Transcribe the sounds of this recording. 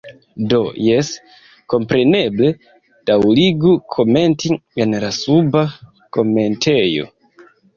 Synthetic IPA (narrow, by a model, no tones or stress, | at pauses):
do̞jes | ko̞mpɾe̞neble̞ | d̥awliɡukʰo̞me̞ntienlasuba | ko̞me̞ntʰejo̞̰